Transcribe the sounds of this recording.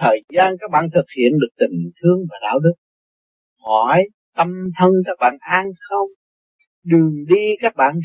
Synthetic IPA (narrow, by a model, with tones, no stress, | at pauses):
t̪ʰəː˨˩jzaː˧nkaː˦˥k̚ɓa̰ː˧˨nt̪ʰɨ˨˩k̚hḭ˧˨ənɗɨ˨˩ək̚t̪ï˨˩ŋt̪ʰɨ˧əŋvaː˨˩ɗa̰ː˧˥˨wɗɨ˦˥k̚ | hɔ˧˩j | t̪ə˧mt̪ʰə˧ŋkaː˦˥k̚ɓa̰ː˧˨nʔaː˧nxə˧wŋ͡m | ɗɨ˨˩əŋɗi˧kaː˦˥k̚ɓa̰ː˧˨n